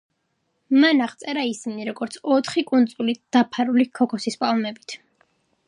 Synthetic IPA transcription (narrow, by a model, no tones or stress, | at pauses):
manaʁt̪sʼɛɾaisiniɾɔɡɔɾt̪sʰɔt̪ʰχikʼunt̪sʼulid̪̥apʰaɾulikʰɔkʰɔsispʼalˠmɛbit̪ʰ